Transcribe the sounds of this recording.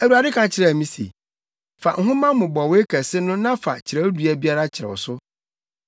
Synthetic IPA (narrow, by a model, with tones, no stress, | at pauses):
æ˨wu˨a˨dɪ˦kʰã˨t͡ɕʰɪ˨ɾɛ˦˨mĩ˦sḛ˨ | fa̰˨ʔŋ̩˦ɦʊ̃˦mã˦mʊ̃˨bɔ˨we˦kʰæ˨sɪ˦nʊ̃˦nã˦fa̰˨t͡ɕʰɪ˨ɾɛ˦du˨æ˨bi˦a˦ɾa˦t͡ɕʰɪ˨ɾɛ̰˨wɔ̰˨sʊ˦